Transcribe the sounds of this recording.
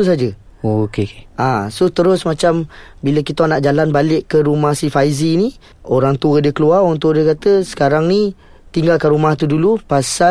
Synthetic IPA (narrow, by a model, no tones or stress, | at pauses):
us̬ad͡ʒə | okeke̥asot̪əɾʊsmat͡ʃambiləkit̪aanaʔd͡ʒalanbalɪʔkːəɾumahsifaizini | oɾaŋt̪uədiəkəluarunt̪uədiəkat̪əsə̥kaɾaŋni | t̪iŋɡalkanɾumaht̪udulupasa